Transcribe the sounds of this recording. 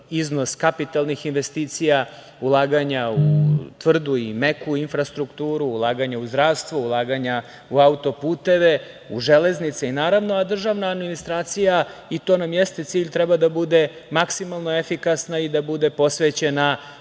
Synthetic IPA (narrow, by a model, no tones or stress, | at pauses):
izno̞skapit̪alˠnixinʋe̞st̪iːt̪sija | ulˠaːɡaɲaut̪ʋr̩d̪uimekuinfɾast̪ɾukt̪uːɾuːlˠaːɡaɲauzd̪ɾaːʋst̪vʋoulˠaːɡaɲa | uaut̪o̞puːt̪e̞ʋe̞ | uʒeleznit̪seinaːɾaʋnoad̪r̩ʒaʋnaːd̪minist̪ɾaːt̪sijait̪o̞ːnamjest̪e̞t̪siːʎt̪ɾɛbad̪abud̪e̞ | maksimalˠno̞efikasnaid̪abud̪e̞po̞sʋet͡ɕe̞na